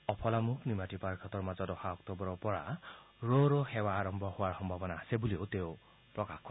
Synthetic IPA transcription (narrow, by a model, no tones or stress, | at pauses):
ɔpʰɔlamuknimatipaɾkʰɔt̪ɔɹmazɔdɔxaɔkt̪ɔbɔɾɔɹpɔɹa̰ | ɹoɾɔhewaːɾɔmbʱɔhowaɹxɔmbʱabɔnaːsebuliot̪eʊ | pɹɔkakʰɔ